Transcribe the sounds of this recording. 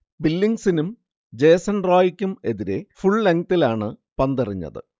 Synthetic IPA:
bilːiŋɡsinum | d͡ʑe̞ːsɐnroːjikʲːume̞ðiɾe̞fuɭlɐŋɡ̚t̪ilaːɳɨpɐnd̪ɐriɲːɐ̰ðɨ̰

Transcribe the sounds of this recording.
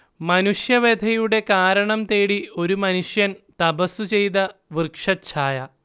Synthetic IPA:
mɐnuʂjɐʋeːd̪ʱɐjuɽe̞kaːɾɐɳɐmt̪eːɽio̞ɾumɐnuʂjɐnt̪ɐbɐsut͡ɕe̞jt̪ɐʋirkʂɐt͡ɕʰaːjɐ

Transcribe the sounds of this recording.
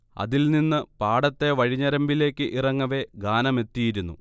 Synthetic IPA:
ɐ̰ðilninːɨpaːɽɐt̪ːe̞ʋɐɻiɲːɐɾɐmbile̞ːkʲːɨʔirɐŋːɐʋe̞ɡaːnɐme̞t̪ːijiɾunːu

